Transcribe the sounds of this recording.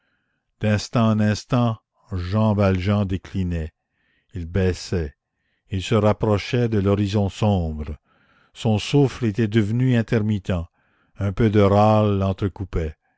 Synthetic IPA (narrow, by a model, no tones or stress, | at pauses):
d̪̥ɛ̃st̪ɑ̃nɛ̃st̪ɑ̃ | ʒɑ̃valʒɑ̃d̪eklinɛ | ilbɛsɛ | ilsəʁapɾɔʃɛd̪əlɔʁizɔ̃sɔ̃ːbʁə | sɔ̃suflet̪ɛd̪əvnyɛ̃t̪ɛʁmit̪ɑ̃ | œ̃pød̪əɾalːɑ̃t̪ɾəkupɛ